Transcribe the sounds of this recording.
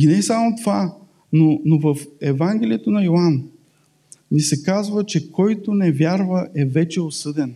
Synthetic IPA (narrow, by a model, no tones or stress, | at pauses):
inɛsamot̪ova | nonovəfɛvaŋɡʲɛlʲiɛt̪onɐjoan | nisɛkazvət͡ʃɛkʰɔjt̪onɛvʲjaɾvəʔɛvɛt͡ʃɛosɤd̪ɛn